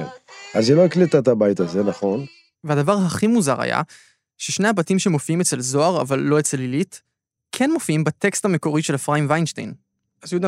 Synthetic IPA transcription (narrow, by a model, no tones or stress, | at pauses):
enaziloiklit̪at̪abajt̪azenaχo̞n | vehadavaʁɦaχimuzaʁa̰ja̰ | ʃeʃne̞habatimʃemo̞fiimet͡se̞lzo̞aʁa̰valːo̞et͡se̞lilit | kʰe̞nmo̞fiimbate̞kst̪ameko̞ʁiʃe̞lfʁaimvajnʃtḛjn | azjod̪